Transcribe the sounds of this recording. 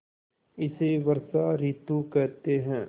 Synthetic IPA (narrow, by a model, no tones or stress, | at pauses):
ɪseʋɐɾsaɾɪt̪ukɛɦt̪eɦɛ̃ː